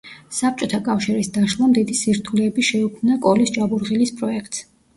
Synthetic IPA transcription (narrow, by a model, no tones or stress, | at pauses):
sap̚ʰt͡ʃʼɔt̪ʰakʼafʃiɾisd̪aʃlˠamd̪id̪isiɾt̪ʰulɛːbiʃɛukʰmnakʼɔlist͡ʃʼabuɾʁilispʼɾɔɛkʰt̪ʼs